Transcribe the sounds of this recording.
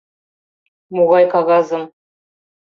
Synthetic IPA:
muʁɑjkɑɣɑzəm

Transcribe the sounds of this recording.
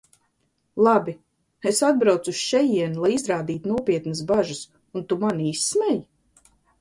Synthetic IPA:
lˠabʲi | esad̪̚bɾawt̪susʃɛjiɛnlˠajizɾaːd̪iːt̪unuɔpʲiɛt̪nəsbaʒɐs | unt̪umanisːmɛj

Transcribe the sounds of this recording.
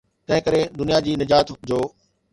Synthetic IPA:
t̪ɐ̃ɦɪ̃kəɾed̪ʊnijad͡ʑiːnɪd͡ʑaːt̪d͡ʑoː

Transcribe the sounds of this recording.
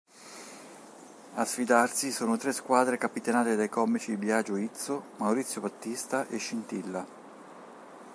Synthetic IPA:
asfid̪arsisoːnot̪ɾeskwaːd̪ɾekapit̪enaːt̪ed̪ajkɔmːit͡ʃid̪ibjad͡ʒoit̪somawɾit̪sːjobat̪ːist̪aʔeʃːint̪ilːa

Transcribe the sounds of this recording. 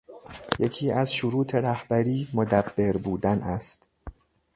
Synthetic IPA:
jecʰiːʔæzʃoɾuːt̪ʰe̞ɾæhb̥æɾiːmod̪æbːe̞ɾbuːd̪ænæst̪

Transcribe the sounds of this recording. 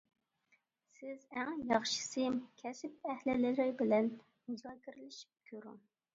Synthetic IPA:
sɪzæŋjɑχʃi̥sɨkʲʰɛsɪp̚ɛhlɪlɪlɪɾbɪlɛn | muzɑːkʲʰɪɾɪlɪʃi̥p̚kʲʰøɾʊ̰ŋ

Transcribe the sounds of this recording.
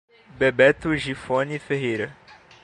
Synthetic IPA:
bebɛt̪ʊʒifõnifeɦejɾɐ

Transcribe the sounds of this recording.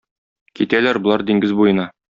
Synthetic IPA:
kit̪ælæɾbŏlˠɑɾd̪iŋɡɘzbujɤ̆nɑ

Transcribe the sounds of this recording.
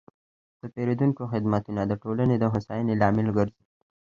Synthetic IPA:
d̪̥əpeɾed̪unkoxɪd̪mat̪unad̪əʈolaned̪əɦʊsɑjənelɑmɪlɡəɾzei

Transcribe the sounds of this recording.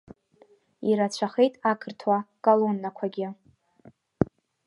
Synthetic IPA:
iɾat͡ɕʷʰaχejtʼakʰɨrtʰwakʼalonːakʷʰaɡʲɪ

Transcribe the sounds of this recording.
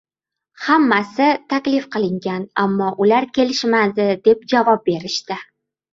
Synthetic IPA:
hamːasɪt̪ʰakʲlɪfqʰɨlˠɪŋɡʲanamːɒʔʊlaɾkʲe̞lɪʃmad̪ɪd̪e̞p̚d͡ʒavɒp̚be̞ɾɪʃt̪ɪ

